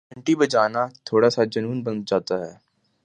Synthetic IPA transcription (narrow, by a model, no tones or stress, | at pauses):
ɐ̃ɳʈibɐd͡ʒaːnat̪ʰoːɽasad͡ʒɐnuːnbɐ̃nt̪̚d͡ʒaːt̪aɦɛː